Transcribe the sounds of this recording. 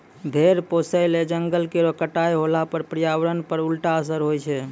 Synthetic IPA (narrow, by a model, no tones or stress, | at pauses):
bʱeɾposəjled͡ʒəŋɡəlkeɾəkəʈajɦolapəɾpɾijaʋɾənpəɾulʈaəs̬əɾɦojt͡ʃʰɛ